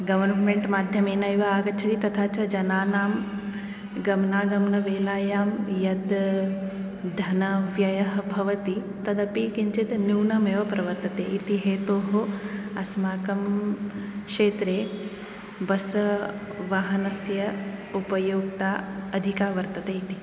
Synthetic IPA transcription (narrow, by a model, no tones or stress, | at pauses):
ɡɐʋɐɾnmeɳʈmaːd̪ʱjɐmeːnɐjʋɐaːɡɐt͡ʃʰɐt̪it̪ɐt̪ʰaːt͡ʃɐd͡ʒɐnaːnaːm | ɡɐmnaːɡɐmnɐʋeːlaːjaːmjɐd̪ | d̪ʱɐnɐʋjɐjɐɦɐbʱɐʋɐt̪i | t̪ɐd̪ɐpikiɲt͡ʃit̪niwnɐmeːʋɐpɾɐʋɐɾt̪ɐt̪ḛːʔit̪iɦeːt̪oːɦoɐsmaːkɐm | kʂeːt̪ɾeː | bɐs | ʋaːɦɐnɐsjɐupɐjoːk̚t̪aːɐd̪ʱikaːʋɐɾt̪ɐt̪eːit̪i